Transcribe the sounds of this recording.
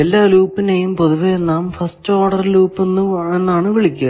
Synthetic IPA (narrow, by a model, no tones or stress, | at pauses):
elːaːluːpːinejumpo̞ðuʋɐjenːaːmfɐsto̞ːɽɐrluːpːe̞nːue̞nːaːɳɨʋiɭikʲːɐ